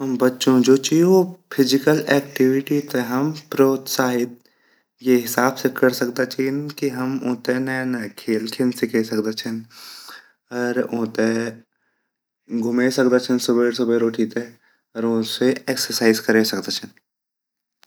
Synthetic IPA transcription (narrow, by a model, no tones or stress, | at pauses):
ɦɐmbɐtːʃõd͡ʒoːt͡ʃiopʰɪzɪkəlɛːkʈɪʋɪʈit̪eɦɐmpɾoːt̪saːɦɪt̪̚ | jeɦɪsaːbsekɐɾsɐk̚d̪at͡ʃʰinkiɦɐmõ̰ːt̪enɐnɐkʰeːlkʰɪnsɪkʰesɐkd̪at͡ʃʰən | ɔːɾõ̰ːt̪e | ɡʱʊmesɐkd̪at͡ʃʰənsʊbeɾsʊbeɾoːʈʰit̪e | ɔːɾõːseeːksəɾsaːɪzkɐɾesɐkd̪at͡ʃʰən